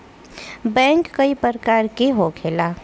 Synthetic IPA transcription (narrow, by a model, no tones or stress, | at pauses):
bɛ̃ŋkːəipəɾkaɾkeɦoɡʰela